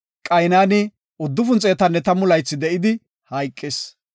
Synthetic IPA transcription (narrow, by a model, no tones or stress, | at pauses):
kʼɐjnaːnɪ | ʊd̪ːʊfʊnt͡sʼeːt̪ɐnːɛt̪ɐmʊlɐjt͡sːɪd̪ɛʔɪd̪ɪ | hɐjkʼːɪs